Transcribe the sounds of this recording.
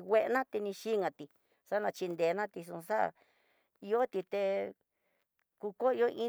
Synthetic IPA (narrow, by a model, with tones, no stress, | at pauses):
we˦ʔnã˦t̪e˧nĩ˧ʃi˦ŋã˧˨t̪i˧ | sa˦nã˧t͡ʃi˧nd̪e˨˧nã˦t̪i˧sũ˧ʂa˦˨ | i˧o˦t̪i˧t̪e˧ | ku˧ko˦i˧o˦ʔĩ˦